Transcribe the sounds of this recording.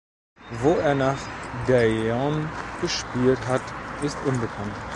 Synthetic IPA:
voːeːɐnaːχdɛɔ̃nɡ̥əʃpiːltɦɑtɪstʊnbəkʰɑnt

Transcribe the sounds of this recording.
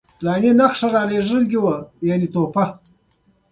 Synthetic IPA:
lɑninaxʂaɾɑleʐəlɡiwəjanit̪opa

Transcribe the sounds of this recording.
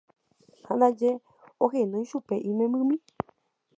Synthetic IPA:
hãnd̪ad͡ʒe | oɦẽnõj̃ʃupeʔĩmẽmbɨ̃mĩ

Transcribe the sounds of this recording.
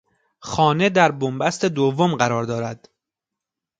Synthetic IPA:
xɒːne̞d̪æɾbombæst̪e̞d̪ovːomɢæɾɒːɾd̪ɒːɾæd̪̥

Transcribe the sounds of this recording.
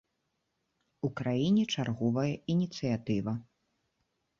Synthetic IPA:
ukɾajinʲɛt͡ʂarɣɔvɐjɐinʲit̪sɨjat̪ɨvɐ

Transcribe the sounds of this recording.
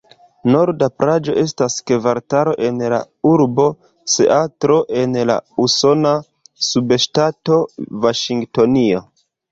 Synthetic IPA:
no̞ɾdapɾad͡ʒo̞ʔe̞staske̞vaɾtaɾo̞ʔe̞nla̰ | uɾbo̞ | se̞̰ʔatɾo̞ʔe̞nla̰uso̞na | subeʃtato̞vaʃiŋɡto̞nio̞

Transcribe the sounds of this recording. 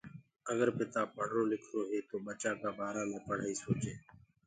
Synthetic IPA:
əɡəɾpɪt̪aːpəɳɾoːlɪkʰɾoːɦeːt̪oːɓət͡ʃaːkaːɓaːɾãːmẽːpəɽ̤aːiːsoːt͡ʃeː

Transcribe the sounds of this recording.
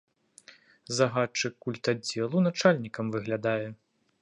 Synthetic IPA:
zaɣat͡ʂɨkːulʲt̪ad͡zʲɛlˠunat͡ʂalʲnʲikɐmvɨɣlʲad̪ajɛ

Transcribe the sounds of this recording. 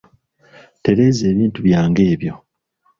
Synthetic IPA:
te̞ɾe̞ːze̞ːβiːntuβjaːŋɡe̞ːβjo̞

